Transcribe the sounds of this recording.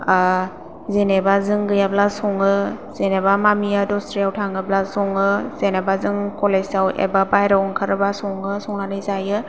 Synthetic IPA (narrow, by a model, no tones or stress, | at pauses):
a | zenebazɯŋɡɯjablasɔŋɯz̥enebamamijadɔstɾijawtʰaŋɯblasɔŋɯzenebazɯŋkɔlesawʔḛbabajɾaɔŋkʰaɾɯbasɔŋɯsɔŋnanɯjzajɯ